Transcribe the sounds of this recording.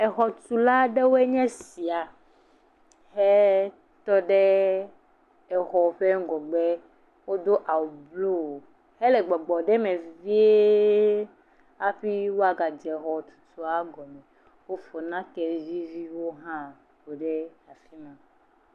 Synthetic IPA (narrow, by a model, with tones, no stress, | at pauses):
ɛ˨xɔ˨tu˨la˦ɖe˦wo˦e˦ɲɛ̃˦si˨a˨ | hɛ˦ | t̪ɔ˦ɖe˦ | ɛ˨xɔ˨ɸe˦ŋ˦ɡɔ˨ɡ͡bɛ˦ | wo˦d̪o˦ʔa˨wo˨blo˦wo˨ | he˦lɛ˨ɡ͡bɔ˨ɡ͡bɔ˨ɖɛ˦mɛ̃˨vi˦e˦ | a˦ɸi˦wo˦a˨ɡa˨d͡ʒɛ˨ɣɔ˨u̥˨tu˨a˦ɡɔ˨mɛ̃˨ | wo˦fɔ˨nã˦kɛ˨vi˦vi˦wo˦ɦã˦ | bo˨ɖe˦a˨fi˦mã˨